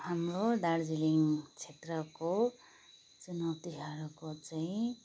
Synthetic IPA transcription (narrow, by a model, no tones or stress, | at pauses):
hamɾoɖaɽd͡ziliŋt͡sʰet̪rʌko | t͡sunʌwt̪iɦaɾukot͡saĩ